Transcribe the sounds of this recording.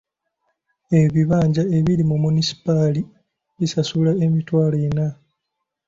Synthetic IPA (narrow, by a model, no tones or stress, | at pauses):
eβiβaːɲɟae̞βiɾimumunisi̥pali | βisasulae̞mitwaːlena